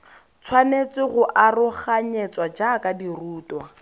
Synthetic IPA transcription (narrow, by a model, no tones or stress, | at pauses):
t͡sʰwanet͡sʼɪɣʊʔarʊχaɲɛt͡swad͡ʒakadiruːtwa